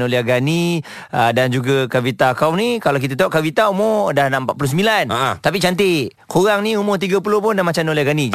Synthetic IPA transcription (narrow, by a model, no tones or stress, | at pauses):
noleaɡani | ədand͡ʒuɡakavit̪akawnikalawk̬it̪at̪auʔkavit̪aumodahnãmpat̪̚pulus̬əmbilanat̪ap̬it͡ʃant̪e | kʰoɾaŋniumot̪̬iɡap̬ulopʊndamat͡ʃanolehaɡanĩ